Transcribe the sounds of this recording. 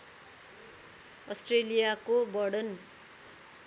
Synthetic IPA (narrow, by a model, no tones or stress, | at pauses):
ʌsʈrelijakobʌɽʌn